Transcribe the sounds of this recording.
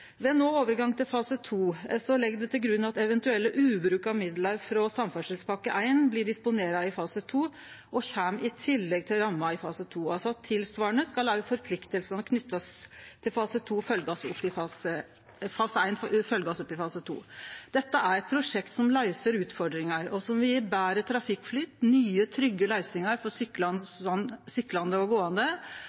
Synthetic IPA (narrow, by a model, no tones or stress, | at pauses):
ʋeːnoːoːʋəɾɡɑŋt̪ʰɪlfɑːsət̪ʰuːsɔlɛɡd̪ɛt̪ʰɪlɡɾʉnːɑt̪ɛʋɛnt̪ʉɛlːəʔʉːbɾʉːkɑʋmɪd̪lɑɾfɾɔsɑmfœʂəlspʰɑkəʔæɪnblɪɖɪspʊneːɾɑɪfɑːsət̪ʰuː | ʔɔçæːmɪt̪ʰɪlːɛɡ̚t̪ʰɪlɾɑmːɑɪfɑːsət̪ʰuːɑlsɔɑt̪ʰːɪlsʋɑːəɳəskɑlɑəfɔɾpʰlɪkt̪əlsənɔkʰnʏt̪ːɑst̪ʰɪlfɑːsət̪ʰuːfœlɡɔsɔpːɪfɑːsə | fɑːsəæɪnfœlɡɔsɔpːɪfɑːsət̪ʰṵːd̪̥ɛt̪ːəʔæɾɛpʰɾʊʂɛkt̪sɔmlæɪsəɾʉːt̪fɔɖɾɪŋɑɾɔsɔmʋɪbæːɾət̪ʰɾɑfɪkːflyːt̪nyːət̪ʰɾʏɡːəlæɪsɪŋɑɾfɔɾsʏnsʏkːlɑnd̪əɔɡoːɑnd̪ə